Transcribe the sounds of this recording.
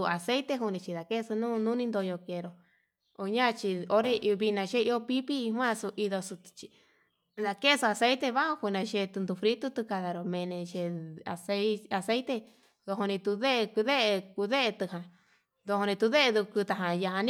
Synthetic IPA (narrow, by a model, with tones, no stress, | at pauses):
u˧a˨se˦jt̪e˧ɦu˧nĩ˧t͡ʃi˧ða˨ke˦˧su˧nũ˦nũ˦nĩ˧nd̪o˧jo˧ke˧˨˧ɾo˨ | o˧ɲã˦˧t͡ʃi˧o˦ɾe˧βi˧nã˧ʃe˦i˧o˧pi˦pi˦˧ɦwã˦˧su˧ʔi˧ðo˧su˧t̪t͡ʃi˧ | ða˧ke˦˧su˧a˧se˦jt̪e˧βa˦õ˧ku˧nã˧ʃe˧t̪u˧nd̪u˧fɾi˦t̪u˦t̪u˧ka˧ða˧ɾo˨mẽ˧nẽ˧ʃe˧a̰˨se˧a˧se˦jt̪e˧ | ðo˧ɦo˧nĩ˧t̪u˧ðe˦˧ku˧ðe˦ʔe˧ku˧ðe˦ʔe˧t̪ɨ˧ɦã˨ | ðo˧ho˧nĩ˧t̪u˧ðe˦ʔe˧ðu˧ku˧t̪a˧ɦã˧ja˧ɦã˧ñ˦